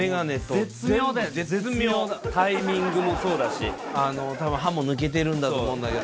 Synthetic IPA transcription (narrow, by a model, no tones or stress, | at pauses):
eɡane̞t̪ːoet͡ssɨmʲjoːd̪aesmʲjooːt̪aimʲĩŋɡɯmo̞so̞ːd̪aɕi | ano̞t̪abɯ̟̃ɦãmo̞nɯ̟k̬e̞t̪̬e̞ɾɯ̟̃nd̪at̪omõːnd̪aked̪